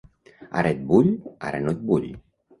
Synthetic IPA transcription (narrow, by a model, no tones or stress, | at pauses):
a̰ɾet̪̚buʎa̰ɾenot̪̚buʎʲ